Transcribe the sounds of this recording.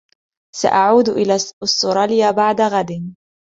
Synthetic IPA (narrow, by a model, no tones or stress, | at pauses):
sa̰ʔaʕuːd̪ʔɪlasːʊɾˤɑljaːbaʕd̪aɣad̪ɪ